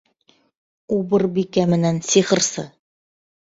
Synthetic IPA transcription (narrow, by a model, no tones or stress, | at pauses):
ubɤɾbikæmɘ̆nænsiχɤ̆ɾsɤ̰